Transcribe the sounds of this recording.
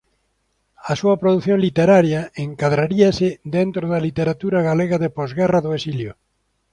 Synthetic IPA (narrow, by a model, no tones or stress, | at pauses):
ɐsuɐpɾoðuθjõŋlit̪eɾaɾjaeŋkaðɾaɾiasɪd̪ent̪ɾʊðalit̪eɾat̪uɾaɣaleɣaðepɔzɣɛraðʊesiljʊ̰